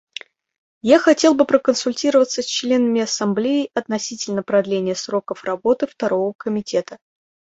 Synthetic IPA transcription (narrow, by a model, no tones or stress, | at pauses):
jaxɐtʲe̞lˠbɨpɾəkənsʊlʲtʲiɾəvət̪səsʲt͡ɕlʲe̞nəmʲɪɐsɐmblʲejɪjʔɐt̪nɐsʲitʲɪlʲnəpɾɐd̪lʲenʲɪjəsɾo̞kəfrɐbo̞t̪ɨft̪ɐɾo̞vəkəmʲɪtʲe̞t̪ə